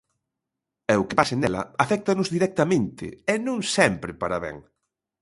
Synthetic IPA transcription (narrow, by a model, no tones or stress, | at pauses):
ɛʊkɪpasenɛlɐ̰afɛk̚t̪ɐnʊzðiɾɛk̚t̪ɐmẽnt̪ɪ̰ɛnũŋsɛmpɾɪpaɾaβɛ̰ŋ